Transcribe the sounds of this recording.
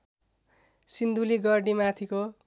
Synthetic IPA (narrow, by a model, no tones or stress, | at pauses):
sind̪uliɡʌrɖimat̪ʰiko